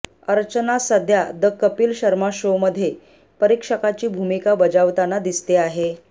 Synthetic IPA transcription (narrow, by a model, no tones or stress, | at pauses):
əɾt͡ɕənasəd̪ʱjad̪əkːəpiːlɕəɾmaɕoməd̪ʱːje | pəɾikʂəkat͡ɕiːbʱumikabəd͡zaʋt̪anad̪ist̪eaɦe